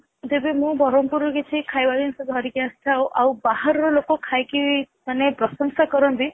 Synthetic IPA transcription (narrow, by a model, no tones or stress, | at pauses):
d͡ʒebemũbɔɾɔmpuɾɔkit͡ʃʰikʰajbad̪insɔd̪ʱɦɔɾikjãstʰawʔawbahaɾɔɾɔlokɔkʰajki | manepɾɔsɔŋsakɔɾɔnd̪i